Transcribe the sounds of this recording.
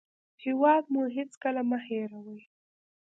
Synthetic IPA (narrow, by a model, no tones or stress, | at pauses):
hɪwɑd̪̚muɦɪt͡skəlaməheɾawəj